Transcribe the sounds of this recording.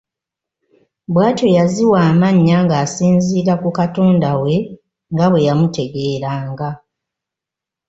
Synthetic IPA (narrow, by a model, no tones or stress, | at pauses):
bwaːto̞jaziwaːmaɲːaŋɡaːsiːnziːɾakukato̞ːndawe̞ | ŋɡaβwe̞jamute̞ɡe̞ːɾaːŋɡa